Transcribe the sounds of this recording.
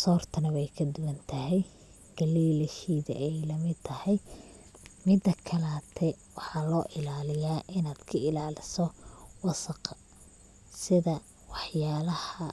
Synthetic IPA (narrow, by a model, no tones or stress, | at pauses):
sɔːrt̪ʰɐnɐwɛjkʰɐd̪ʊwɐnt̪ʰɐɦɛj | ɡ̥ɐliːlhiːðɐ̰ʔɛjlɐmɪd̪t̪ʰɐhɛj | mɪd̪ɐkʰɐlaːt̪ʰɛwɑħɑlɔːʔɪlaːlɪjaːʔɪnaːd̪̥kʰɐɪlaːlɪsɔwɑsɐqʰɐ | sɪðɐ | wɑħjaːlɐhɐ